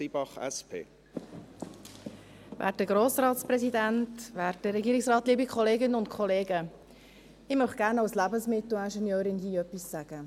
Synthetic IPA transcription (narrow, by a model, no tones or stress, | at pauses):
ibɑχɛ̰spʰḛː | væ̰ːt̚dəɡ̥ɾoːsrɑːt̪sprɛzidæntʋæːɾt̚dəɾɛɡiːɾɪksrɑːtliːbikʰχɔleːɡɪnəʊntkʰχɔleːɡə | ɪmœχɡ̥æːɾnɑʊslæbənsmɪt̪l̩ænʃɛnjøːɾɪnhiːœpissæɡ̥ə